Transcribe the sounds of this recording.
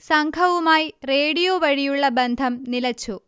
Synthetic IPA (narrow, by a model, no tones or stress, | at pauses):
sɐŋɡʰʱɐʋumaːjre̞ːɽijoːʋɐɻijuɭːɐbend̪ʱɐmnilɐt͡ɕːu